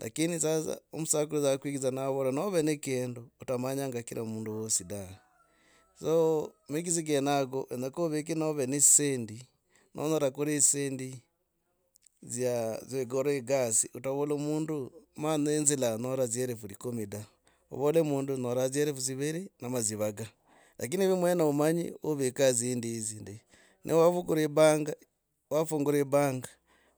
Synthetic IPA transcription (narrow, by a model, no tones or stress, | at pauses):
la̰kinisaza̰omusakulozakwiɣizanaβolanoβenekeːndoutamaɲaŋɡakiɾʔamuːnduwosida | somekiz̬iɡenaɡoʔenakoβek̬inoβenesendi | nʔo̰notakoɾesendi | zjazeɡoɾoeɡasiutaβolomuːndumanenzilanoɾazieɾefuɾikomida | o̰βolemuːndunoɾazjeɾefuziβeɾinamaziβaɡa | lak̬iniβimwenaomaɲḭoβekazindizinde | nʔḛwafukuɾeβaŋɡa | wafuŋɡuɾeβaːŋɡa